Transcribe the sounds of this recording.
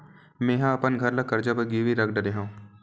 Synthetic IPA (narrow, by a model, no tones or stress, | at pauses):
mẽːɦãɐpənɡʱɐɾlakɐɾd͡ʒabəɡiːʋiɾɐk̚ʰɖɐɽeɦũː